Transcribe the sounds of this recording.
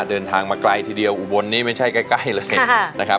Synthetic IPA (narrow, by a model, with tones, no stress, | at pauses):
t̪̚dɤː˧nt̪ʰaː˧ŋmaː˧kla˧jt̪ʰiː˧di˧əwʔu˨˩bo˧nːiː˦˥˩ma˥˩jt͡ɕʰa˥˩jka˥˩jka˥˩jlɤː˧jna˦˥kʰa˦˥